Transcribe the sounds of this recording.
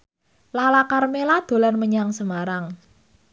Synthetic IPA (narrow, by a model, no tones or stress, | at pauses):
lalakarmelad̪̥o̤lanməɲaŋsəmaɾaŋ